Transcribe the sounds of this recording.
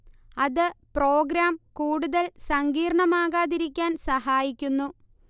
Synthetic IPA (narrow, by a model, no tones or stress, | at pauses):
ɐðɨpro̞ːɡɾaːmkuːɽuðɐlsɐŋɡiːɾɳɐmaːɣaːðiɾikʲːaːnsɐɦaːjikʲːunːu